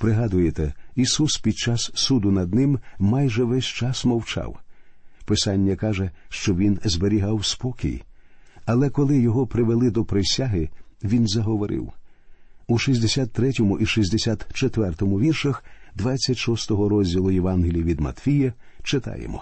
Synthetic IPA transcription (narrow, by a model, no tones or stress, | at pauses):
pɾɪɦɑd̪ʊjet̪ɛisuspʲid̪̚t͡ʃasːud̪ʊnɐd̪̚nɪmmɑjʒɛʋɛsʲt͡ʃɑsmɐwt͡ʃɑ̰wpɪsɑnʲːɐkɑʒɛʃt͡ʃɔʋʲinzbeɾʲiɦɑwspɔkʲḭj | ɐlˠɛkɔlˠɪjɔɦɔpɾɪʋelˠɪd̪ɔpɾesʲaɦɪʋʲinzɐɦɔʋɔɾɪ̰w | uʃizʲd̪esʲat̪ːɾɛtʲɔmʊʔiʃizʲd̪esʲat̪t͡ʃet̪ʋɛrt̪ɔmʊʋʲirʃɐxd̪ʋat͡sʲːɐtʲʃɔst̪ɔɦɔɾɔzʲdʲilˠʊjeʋɑnɦɪlʲiiʋʲid̪mɐ̰t̪fʲijɐ | t͡ʃɪt̪ɑ̰jḛmɔ̰